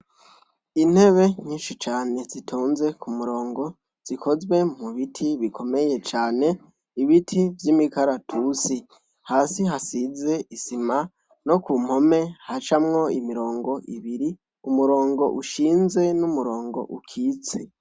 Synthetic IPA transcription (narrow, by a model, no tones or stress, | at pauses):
in̥he̞βe̞ɲiːnʃit͡ʃaːne̞zitʰoːnze̞kʰumuɾo̞ːŋɡo̞ | z̥ikʰo̞zɡwe̞muβitʰiβikʰo̞me̞je̞t͡ʃaːne̞ | iβitʰivjimikaɾatʰusi | haːsiɦasize̞ʔisima | no̞kum̥ho̞me̞hat͡ʃamŋo̞imiɾo̞ːŋɡo̞ʔḭβiɾi | umuɾo̞ːŋɡo̞̰ʔuʃiːnze̞numuɾo̞ːŋɡo̞̰ʔukʰiːt͡se